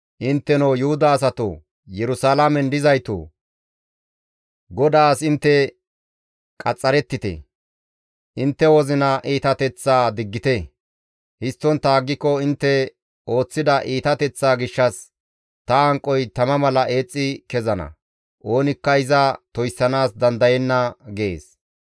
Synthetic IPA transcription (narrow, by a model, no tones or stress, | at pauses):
ʔɪnt̪ːɛnowjʊhʊd̪ɐːs̬ɐt̪o̰ | jɛɾʊsalamɛnd̪ɪzɐjt̪o̰ː | ɡɔd̪aːsɪnt̪ːɛ | kʼɐt͡sʼːɐɾɛt̪ːɪt̪ɛ̰ | ʔɪnt̪ːɛwɔzɪnɐʔiːt̪ɐt̪ɛt͡sːaːd̪ɪɡːɪt̪ɛ | hɪst̪ːɔnt̪aːɡːɪkːɔɪnt̪ːɛ | o̞ːt͡sːɪd̪ɐʔiːt̪ɐt̪ɛt͡sːaːɡɪʃːɐs | t̪ɐɐŋkʼːɔjt̪ɐmɐmɐlɐʔe̞ːt͡sʼːɪkɛzɐnɐ̰ | ʔo̞ːnɪkːɐɪzɐt̪ɔjsːɐnaːsd̪ɐnd̪ɐjɛnːɐɡɛḛːs